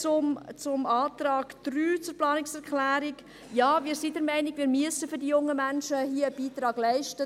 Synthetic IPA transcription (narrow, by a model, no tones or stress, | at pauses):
t͡sʊmt͡sʊmɑːt̪ɾɑːɡd̥ryːt͡sʊɾplɑːnɪksɛɾkχlæːɾɪk | jaːʋiːɾsidɛɾmɛɪnɪɡʋiːɾmyəsəfʏɾdijʊŋːəmænʃəhiəəb̥iːtɾɑːɡ̥lɛɪʃtə